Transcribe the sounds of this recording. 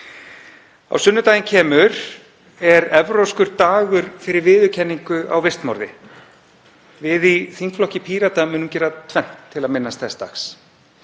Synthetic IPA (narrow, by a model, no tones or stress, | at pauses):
a̰wsʏnːʏt̪aːjɪncʰɛːmʏɾ̥ | ɛɾɛvɾowskʏɾt̪aːɣʏɾfɪɾɪɾvɪːðʏcʰɛnːiŋkʏa̰wvɪst̪mɔ̰ɾðɪ̰ | vɪðiθiŋkflɔhcɪpʰiːɾat̪amʏːnʏmcɛːɾat̪ʰvɛm̥t̪ʰːɪlaðmɪnːast̪θɛst̪a̰xs